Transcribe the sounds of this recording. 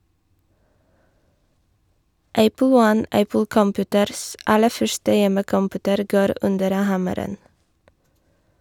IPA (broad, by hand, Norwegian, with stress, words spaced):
ˈʔæpl̩ ˈwɔn ˈʔæpl̩ kɔmˈpʉːtəɾs ˈɑlə ˈfœʃtə ˈjɛməkɔmˌpʉːtəɾ ˈɡoːɾ ˈʔʉndəɾ ə ˈhɑməɾən